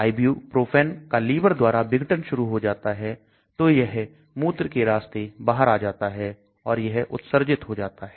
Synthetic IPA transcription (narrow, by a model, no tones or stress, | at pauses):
aːɪbjupɾoːpʰɛːnkaliːbəɾd̪waːɾabɪɡəʈənʃʊɾuɦod͡ʒaːt̪aɦɛ | t̪ojɐɦ | muːt̪ɾkeɾaːst̪ebaːɦəɾaːd͡ʒaːt̪aɦɛ | ɔːɾjɐɦʔʊ̰t̪səɾd͡ʒɪt̪ɦod͡ʒaːt̪aɦɛː